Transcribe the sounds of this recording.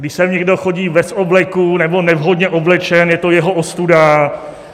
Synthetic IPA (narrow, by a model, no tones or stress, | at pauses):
ɡdɪʃsɛmɲɛɡdo̞xo̞ɟiːvɛsoblɛkunɛbo̞nɛvɦo̞dɲɛʔoblɛt͡ʃɛnjɛt̪o̞jɛɦo̞ʔost̪uda